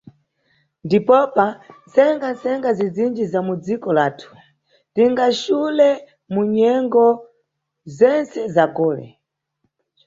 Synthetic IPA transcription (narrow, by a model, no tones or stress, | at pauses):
ndipɔpant͡sɛŋɡant͡sɛŋɡazid͡zind͡ʒizamud͡zikɔlaːtʰu̥ | tiŋɡaʃulɛ | muɲɛŋɡɔ | zɛnt͡sɛzaɡɔːlɛ̰